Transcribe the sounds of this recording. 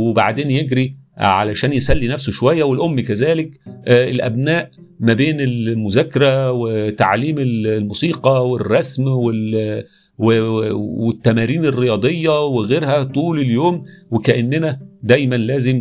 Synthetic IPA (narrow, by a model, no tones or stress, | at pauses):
weba̰ʕd̪eːnjeɡɾiʕa̰læʃæːnjesælːinæfsoʃowæjːæwelʔomːikæzæːlekelʔæ̰bnæːʔ | mæbeːnelmʊzækːɑɾæwet̪aʕliːmellmuːsiːqɑwerˤːɑsmwel | wewet̪ːæmæːɾiːnerːejɑːd̪ˤejːɑweɣeːɾhæt̪ˤuːleljoːmwekæʔænːenæd̪æjmænlæːzem